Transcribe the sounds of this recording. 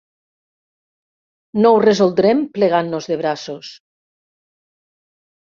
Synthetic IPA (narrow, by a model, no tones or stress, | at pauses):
nowrezolˠd̪ɾempleɣanːozðeβɾasos